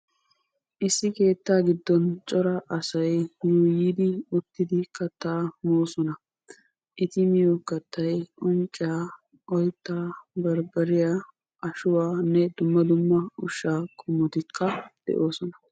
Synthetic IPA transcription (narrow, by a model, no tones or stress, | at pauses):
ʔɪsːɪke̞ːt̪ːaːɡɪd̪ːɔnt͡ʃʼɔɾɐʔɐsɐjnuːjiːd̪ɪʊt̪ːɪd̪ɪkɐt̪ːaːmoːsɔnɐ | ʔɪt̪ɪmɪjokːɐt̪ːɐjʔʊnt͡ʃʼːɪaː | ʔɔjt̪ːaːbɐɾbɐɾɪjaː | ʔɐʃʊwaːnːɛd̪ʊmːɐd̪ʊmːɐʊʃːaːkʼʊmːɔt̪ɪkʰːɐd̪̥ɛ̰ʔo̞ːsɔnɐ̥